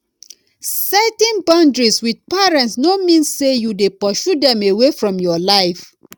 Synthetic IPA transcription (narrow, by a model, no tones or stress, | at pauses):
sɛtɛ̃nbɔ̃ndɹiswid̚pɛɹɛ̃ntsnomĩnsːejudepɔʃudɛ̃mewefɹɔ̃mjɔlaɪf